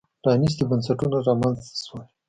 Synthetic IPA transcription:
ɖ̥ɑnis̬d̪əbansaʈunaɾɑmanzswa

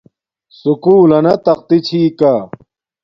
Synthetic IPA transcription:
sukuːlɐnɐt̪ɐq̚t̪it͡ɕʰiːkaː

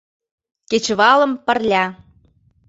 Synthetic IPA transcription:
ket͡ɕβɑlə̆mpə̆rlʲæ

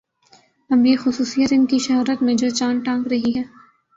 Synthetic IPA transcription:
ɐbjeːxʊsuːsijət̪ɪnkiʃɐɦaːɾət̪mẽd͡ʒoːt͡ʃãːnʈãːŋkɾɐɦiɦɛː

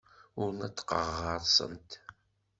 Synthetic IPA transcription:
ʊɾnæt͡sːqəʁːəɾˤsˤə̰nt̪

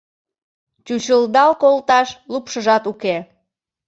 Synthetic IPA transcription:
t͡ɕut͡ɕəld̪ɑlkolt̪ɑʃlupʃəʒɑt̪uke

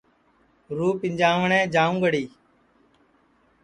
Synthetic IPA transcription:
ɾuːpɪ̃ɲd͡ʒaːʋɳẽːd͡ʒaːũːɡəɽiː

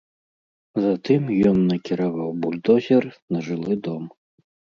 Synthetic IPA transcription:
zat̪ɨmjɔnːɐkʲiɾavawbulʲd̪ɔzʲɛrnɐʐɨlˠɨd̪ɔm

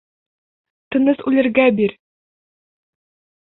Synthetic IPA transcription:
t̪ɤ̆nɤsʉlɘ̆ɾɡæbiɾ

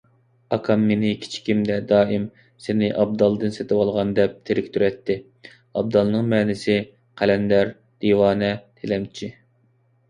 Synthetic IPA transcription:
ɑkʰɑmːenɪkʲʰi̥t͡ʃʰi̥kʲʰimd̪ɛd̪ɑːɪm | senɪʔɑb̚d̪ɑlˠd̪ɨnset̪ɪwɑlˠʁɑnd̪ɛp̚t̪ʰeɾɪkʲt̪ʰyɾɛt̪ʰːɪ | ɑb̚d̪ɑlˠnɨŋmɛːnɪsɪ | qʰælɛnd̪ɛɾ | d̪̥iwɑːnɛt̪ʰelɛmt͡ʃʰi

